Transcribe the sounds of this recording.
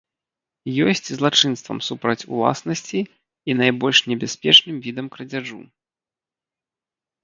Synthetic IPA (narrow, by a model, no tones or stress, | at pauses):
jɔsʲt͡sʲzlˠat͡ʂɨnst̪vɐ̰msupɾɐt͡sʲṵlˠa̰snɐsʲt͡sʲiː | najbɔlʲʂnʲɛbʲaspʲɛt͡ʂnɨmvʲid̪ɐmkɾɐd͡zʲaʐṵ